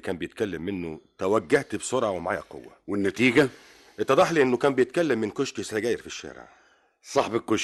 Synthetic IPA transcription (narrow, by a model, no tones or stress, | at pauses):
kæːmbejet̪̚kælːæmːenːo̰t̪æwæɡːæht̪bsˤoɾˤʕɑwemaʕaːjæqo̰wːæwɪnːæt̪iːɡæ | ʔet̪ːɑd̪ˤɑħliʔenːokæːmbejet̪̚kælːæmːɪnkoʃkisæɡæːjɾfiʃːæ̰ːɾḛʕ | sˤɑħbɪkːoʃ